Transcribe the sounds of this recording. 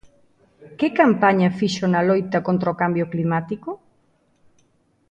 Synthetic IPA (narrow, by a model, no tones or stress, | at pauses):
kɪkampaɲɐfiʃonɐlojt̪ɐkont̪ɾɐokambjʊklimat̪iko